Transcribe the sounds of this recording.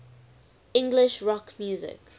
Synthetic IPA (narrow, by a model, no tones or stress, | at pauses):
ɪ̃ŋɡlɪʃɹɔkmjuːzɪ̰k